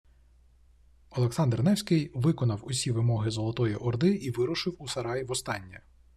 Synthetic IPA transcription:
ɔlˠeksɑnd̪rnɛwsʲkɪjʋɪkɔnɐwʊsʲiʋɪmɔɦɪzɔlˠɔt̪ɔjiʔɔrd̪ɪʔiʋɪɾʊʃɪwusɐɾɑjʋɔst̪ɑnʲːɐ

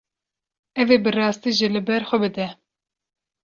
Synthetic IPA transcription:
ɛveːbɨrɑːst̪iːʒilɨbɛɾxʷɛbɨd̪ɛ

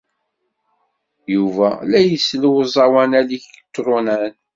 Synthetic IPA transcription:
juvælæjəsːluwzˤɑwænæliçət̪ːɾˤunæn

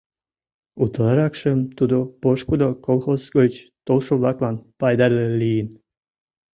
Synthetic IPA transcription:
ut̪lɑɾɑkʃəmt̪ud̪opoʃkud̪okolˠxozɡət͡ɕt̪olʃoβlɑklɑnpɑjd̪ɑɾlelijən

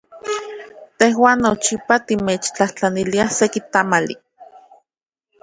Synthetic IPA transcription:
t̪eɦwaːnːot͡ʃipat̪imeːt͡ʃt͡ɬaht͡ɬaniliahsekit̪amalḭ

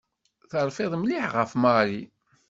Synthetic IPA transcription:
θəɾˤfɪðˤmliħʁəfmɑɾi

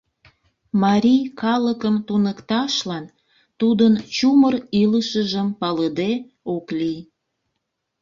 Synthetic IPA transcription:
mɑɾʲijkɑləkəmt̪unəkt̪ɑʃlɑn | t̪ud̪ənt͡ɕuməriləʃəʒəmpɑləd̪e | oklij

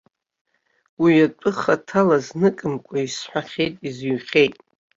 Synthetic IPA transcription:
wiatʷʼʊχatʰalaznɨkʼɨmkʷʼaisħʷᶣaχʲe̞jtʼizɥχʲejtʼ

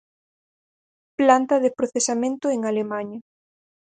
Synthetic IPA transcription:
plant̪ɐðepɾoθesamẽnt̪ʊeŋalemaɲɐ

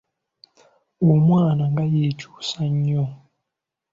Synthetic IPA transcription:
umwaːnaŋɡajit͡ʃu̥saɲɔ

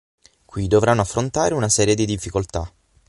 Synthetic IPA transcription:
kwid̪ovɾanːoafːɾont̪aːɾeunasɛːɾjed̪id̪ifːikolt̪a̰

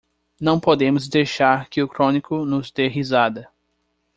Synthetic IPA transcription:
nɐ̃w̃pod̪ẽmʊzd̪ejʃaɾkɪʊkɾõnikʊnʊzd̪eɦizad̪ɐ

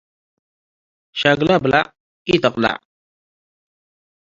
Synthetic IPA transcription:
ʃaɡlabəla̰ | itakla̰

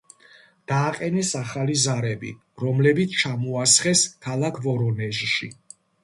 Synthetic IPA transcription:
d̪̥aːqʼɛnɛsaχalizaɾɛbḭ | ɾɔmlɛbit̪sʰt͡ʃʰamɔasχɛskʰalˠakʰvɔɾɔnɛʒʃḭ

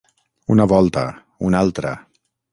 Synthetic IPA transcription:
unəβɔlˠt̪ə̰ | unalˠt̪ɾə

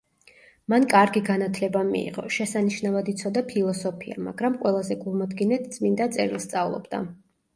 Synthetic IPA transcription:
mankʼaɾɡiɡanat̪ʰlɛbamḭḭʁɔ̰ʃɛsaniʃnavad̪it̪sʰɔd̪apʰilˠɔsɔpʰia̰ma̰ɡɾamqʼwɛlˠazɛɡulˠmad̪ɡinɛt̪ʰt̪sʼmind̪at̪sʼɛɾilˠst̪sʼavlˠɔ̰bd̪a̰

